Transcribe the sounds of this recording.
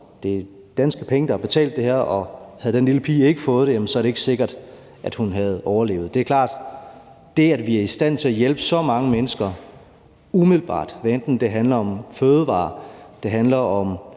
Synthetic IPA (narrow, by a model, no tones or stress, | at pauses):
d̥e̝ | d̥ænsɡ̥əpʰeŋəd̥ɑhɑ̈b̥e̝t͡sʰɛ̰ːld̥ːe̝hæɐ̰ʔɒ̽hæð̩ˠd̥enliləpʰḭːe̝ɡ̥əfɔ̽ːð̞̩̥ˠejæmən̩sɒɐɾe̝e̝ɡ̥se̝ɡ̥ɐd̥ | ʔæd̥hunɦæð̞̩ˠɒʊɐle̝̰ːʊd̥e̝æɐkʰlɑ̰̈ːd̥ | d̥e̝æd̥ʋiæɐisd̥æn̰t͡sʰe̝æjelb̥əsɒ̽mɑ̈ŋəmenəsɡ̥ɐ | umið̰ˠlb̥ɑ̰̈ːd̥ʋeend̥n̩d̥e̝ɦænlɐɒ̽mføːð̞ˠʋɑ̰̈ːd̥e̝ɦænlɐʔɒ̽m